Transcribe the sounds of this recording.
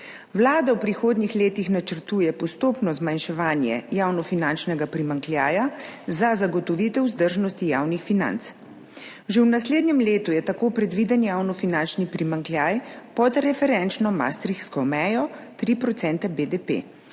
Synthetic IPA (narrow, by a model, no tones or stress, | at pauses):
wlaːd̪awpɾixoːd̪nixleːt̪ixnat͡ʃəɾt̪uːjɛpɔst̪oːpnɔzmanʃɛʋaːnjɛ̰jaːwnɔfinant͡ʃnɛɡapɾimaŋkljaːjazazaɡɔt̪ɔʋiːt̪ɛwzd̪əɾʒnɔst̪ijaːwnixfina̰nt̪s | ʒewnasleːd̪njɛmleːt̪ujɛt̪akoːpɾɛd̪ʋid̪ɛnjawnɔfinant͡ʃnipɾimaŋkljaːjpɔt̪ɾɛfɛɾɛnt͡ʃnɔma̰st̪ɾikskɔmɛːjɔt̪ɾipɾɔt̪sɛnt̪ɛbed̪epḛː